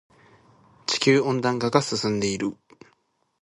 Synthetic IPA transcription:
t͡ɕi̥kʲɨːõ̞nd̪ãŋkaɡasɨsɨ̃nd̪e̞iɾɯ̟

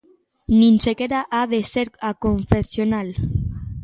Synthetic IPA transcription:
nĩnsekeɾaʔaðeseɾakoɱfesjonal

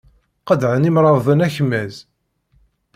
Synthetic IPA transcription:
qəd̪ʕənimɾˤɑðˤðənæçəmːæz

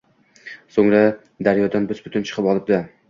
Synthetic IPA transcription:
soŋɾa | d̪aɾjɒd̪anbʊzbʊt̪ʊnt͡ʃʰɨ̥qʰɨpɒlˠɪb̚d̪ɪ

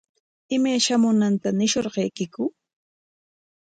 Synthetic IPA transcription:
ɪmajʃamʊnant̪anɪʃoɾɢejkɪkʊ

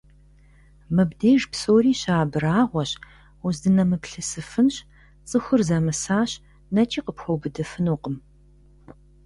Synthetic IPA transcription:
mɨbdeːʒpsoːriːɕaːbɨɾaːʁʷɔɕ | uzdɨnɐmɨpɬɨsɨfɨnɕ | t͡sʼɨxʷʊrzamɨsaːɕ | nɐt͡ʃʼiːqəpxʷowbɨdɐfɨnuːqəm

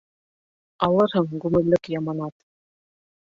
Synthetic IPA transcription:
ɑlˠɤɾɦɤŋɡʉmɘ̆lːɘkjɑmɑnɑt̪

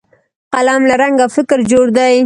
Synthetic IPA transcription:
qalɑmlaɾaŋɡafɪkɾd͡ʒoɽd̪aj

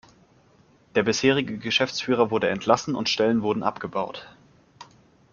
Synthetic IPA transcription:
d̥eːɐbɪsheːʁ̞ɪɡəɡəʃɛft͡sfyːʁ̞ɐvʊɐdəɛntʰlasn̩ʊ̰ntʃtɛlənvʊɐdn̩ʔa̰pɡ̥əbaʊt

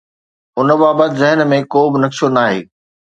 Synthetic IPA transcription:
ʊnə̆baːbət̪zɐɦənmẽkoːbɪnɐksonaːɦḛː

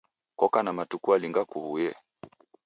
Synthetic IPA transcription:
kɔkanamatukualiŋɡakuhujɛ

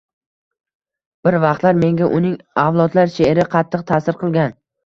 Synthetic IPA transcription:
b̥ɪɾvɑqt̪laɾme̞ŋɡʲaʔʊnɪŋavlˠɒd̪laɾʃeɾɪqʰɑt̪ʰːɨq̚t̪ʰaːsɪɾqʰɨlˠɡʲan

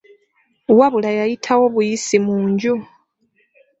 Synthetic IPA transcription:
waβulajajitʰawo̞βujisimuːɲɟu

